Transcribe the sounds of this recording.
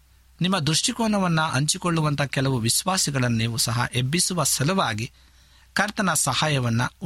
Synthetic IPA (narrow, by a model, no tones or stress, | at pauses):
nimːɐd̪ɾuʂʈikɔːɳɐʋɐnːuʔɐɲt͡ʃikɔɭːuʋɐnt̪ʰɐkɛlɐʋuʋisʋaːsiɡɐɭɐnːiːʋusɐɦɐ̰ʔebːisuʋɐsɐlɐʋaːɡi | kɐɾt̪ɐnɐsɐhaːjɐʋɐnːɐ